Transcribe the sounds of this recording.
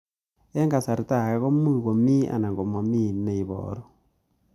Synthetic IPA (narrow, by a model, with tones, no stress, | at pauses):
e˦ŋɡa˨sa˨ɾi˨ta˦˨ɣe˦ɣo˦mu˦˨ɣo˨mi˦a̰˨na˨ŋɡo˨mo˨mi˦ne˦˨i˨βo̰˨ɾo˨